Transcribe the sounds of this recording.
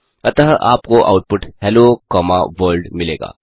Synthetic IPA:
ɐt̪əɦʔa̰ːpkoʔa̰ːʊʈ̚pʊʈhɛlokɔːmaʋəːɾlɖmɪleːɡa̰ː

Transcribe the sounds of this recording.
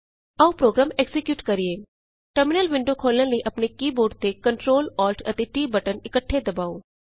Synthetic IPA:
ɐupɾoːɡɾaːmeksɪkjuːʈkɐɾieː | ʈəɾmɪnəlʋɪ̃ɳɖokʰoːlə̃ləiʔɐpnekiːboːɾɖ̚t̪ekəɳʈɾoːlɔːlʈʰɐ̰t̪eʈiːbəʈənɪkəʈʰːed̪ɐbaːoː

